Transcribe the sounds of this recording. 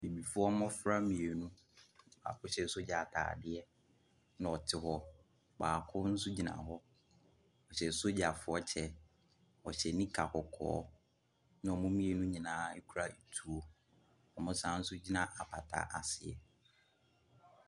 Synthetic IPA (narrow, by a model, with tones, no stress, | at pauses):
ni˨bi˨fʊ˦ɔ˦mɔ̃˦fɾa˦mĩ˨e˨nũ˦ | ba̰ː˨kʊ˦ɕɛ˨˦so˦d͡ʑa˨tʰa̰ː˨dɪ˦ɛ˦ | ñ˦ɔ˨tʰɪ˨hɔ˦ | baː˨kʰʊ˦n̩˦sʊ˦d͡ʑi˨nã̰˨ɦɔ˦ | ɔ˨ɕɛ˨so˦d͡ʑa˨fʊ˨ɔ˦t͡ɕʰɛ˦ | ɔ˨ɕɛ˨nĩ˦kʰa˨kʰɔ˨kʰɔ̰ː˨˦ | nʊ̃˦ɔ˨mʊ̃˦mĩ˦e˨nũ˦ɲĩ˨nãː˨˦e˦kʰu˦ɾa˦e˨tʰu˨o˨ | ɔ˨mʊ̃˦sã˦n̩˦sʊ˦d͡ʑi˦nã˨ʔa˨pʰa˨tʰa̰˨˦ʔa˨sɪ˨ɛ̰˨